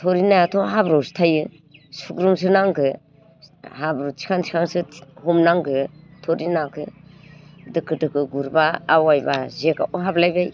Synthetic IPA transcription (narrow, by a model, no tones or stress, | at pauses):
tʰɔɾinajatʰɔɦabɾawsi̥tʰajɯ | sukɾums̬ɯnaŋkɯ | habɾotʰi̥kʰaŋtʰi̥kʰaŋsɯhɔmnaŋɡɯtʰɔɾinakʰɯ | dɯkʰɯdɯkʰɯɡuɾbaːwajbazeka̰ʔuɦablajbaj